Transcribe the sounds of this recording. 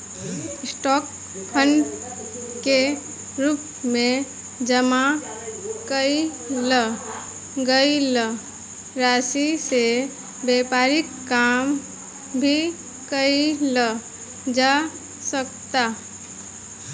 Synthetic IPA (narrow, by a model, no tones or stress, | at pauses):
ɪsʈɔːk | pʰəɳɖ | ke | ɾuːp | mẽ | d͡ʒəma | kəi | lə | ɡəilə | ɾaːsise | bɛːpaɾɪkːaːm | bʱi | kəilə | d͡ʒa | sək̚t̪a